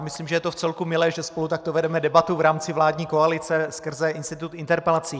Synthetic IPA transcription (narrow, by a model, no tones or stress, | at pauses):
mɪsliːmʒɛjɛt̪oft͡sɛlkumɪlɛːʒɛspo̞lut̪ak̚t̪ovɛdɛmɛdɛbat̪uvɾaːmt͡sɪvlaːdɲiːko̞alɪt͡sɛskr̩zɛʔɪnst̪ɪt̪ut̪ɪnt̪ɛɾpɛlat͡siː